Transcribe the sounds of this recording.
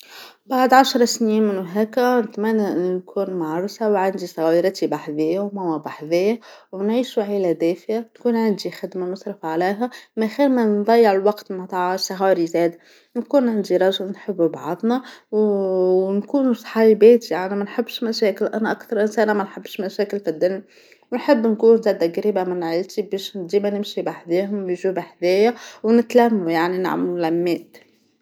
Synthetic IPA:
baʕd̪ʕaʃɾˤɑsniːnmɪnwɦæːkænɪt̪mænːæʔɪnːinkʰuːnmaʕɾˤsawʕand̪isˤɑɣɑːɾɑt̪ibaħðɪjːawmæwɑbˤaħðɪjːæwnʕiːʃuʕiːlæd̪æːfjankuːnʕand̪ixɪd̪manɨsˤɾɨfʕaliːɦæmæxilmænd̪ˤɑjːɪʕɪlwɑqt̪mɑt̪ˤɑʕsˤɑɣɑːɾizæːd̪ | nkuːnʕand̪iɾˤɑʒəlnħəbːubɑʕðˤnɑw | nkuːnusˤħɑjbiːt̪ijaʕnimænħɪbːʃmæʃæːkɪlʔænæʔakθɑɾˤʔɪnsæːnæmænħəbːʃmæʃæːkɪlfid̪ːɪnː | wnħəbːnkuːnzæːd̪aɡɾiːbamɪnʕəlt̪ibɛːʃnd̪iːbænɪmʃibaħd̪eːɦʊmːʒubaħd̪æːjæwnɪt̪læmːujaʕnina̰ʕmulæmːeːt̪

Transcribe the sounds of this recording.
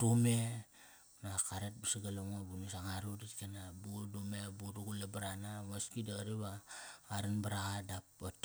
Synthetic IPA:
tume | nakaɾet̚bisiɡaloŋobunusaŋaɾuditkenabudumebuduɡulabaɾanamaskidaɾiβaːɾanbaɾaɣadapat

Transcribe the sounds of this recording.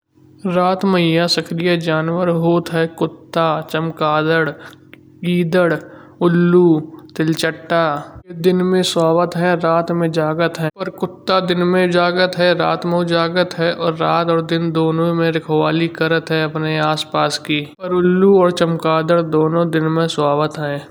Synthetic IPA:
ɾaːt̪məɪjasəkɾijəd͡ʒaːnwəɾɦoːt̪ɦɛkʊt̪ːat͡ʃəmkaːd̪əɽ | ɡiːd̪əɽ | ʊlːut̪ɪlt͡ʃəʈːaːd̪ɪnmẽsɔːbət̪ɦɛɾaːt̪mẽd͡ʒaːɡət̪ɦɛ̃pəɾkʊt̪ːad̪ɪnmẽd͡ʒaːɡət̪ɦɛɾa̰ːt̪mə̃d͡ʒaːɡət̪ɦɛʔɔːɾːaːt̪ɔːɾd̪ɪnd̪oːnõmẽɾɪkʰʋaːlikəɾət̪ɦɛɐpneaːspaːskiːpəɾʊlːuɔːɾt͡ʃəmkaːd̪əɽd̪oːnõd̪ɪnmẽswaːbət̪ɦɛ̃ː

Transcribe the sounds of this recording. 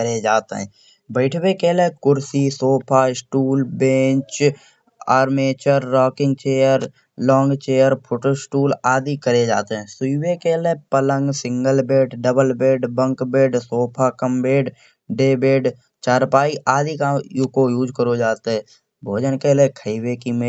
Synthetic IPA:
kəɾed͡ʒaːt̪ḛɦɛ̰̃ː | bəɪʈʰwekeːlekʊɾsisoːpʰaːɪsʈuːlbẽːt͡ʃ | aːɾmeːt͡ʃəɾːɔːkɪ̃ŋɡ̚t͡ʃeːjəɾ | lɔːŋɡt͡ʃeːjəɾpʰoːʈoːsʈuːlaːd̪ikəɾed͡ʒaːt̪eɦɛ̃ːsʊiwekeːlepələ̃ŋɡsɪ̃ŋɡəlbeːɖɖəbəlbeːɖbə̃ŋkbeːɖsoːpʰakəmbeːɖ | ɖeːbeːɖ | t͡ʃaːɾpaːiʔaːd̪ikakojuːd͡ʒkəɾod͡ʒaːt̪eɦɛ̃ː | bʱoːd͡ʒənkeːlekʰəiwekimẽ

